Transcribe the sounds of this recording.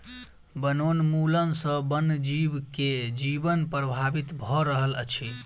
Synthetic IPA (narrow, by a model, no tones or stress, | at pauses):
bənonmulənsə̃bənd͡ʒibked͡ʒibənpɾəbʱabit̪bʱɔɾəɦələt͡ʃʰi